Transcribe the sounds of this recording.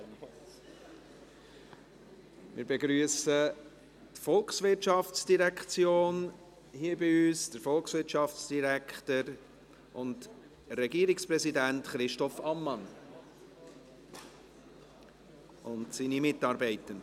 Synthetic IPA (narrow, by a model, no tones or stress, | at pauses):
mɪ̰ːɾbeɡɾyːəsə | tfɔlksʋɪɾtt͡ʃɑft͡sd̥iɾækt͡sjoːn | hiəbiyːsd̥əɾfɔlˠksʋɪɾtʃɑft͡sd̥iɾækʰtəɾ | ʊnt | ɾɛɡiəɾikspɾɛzidæntχɾɪʃtɔfɑmːɑn | ʊntsinimɪtːɑːɾbɛɪtən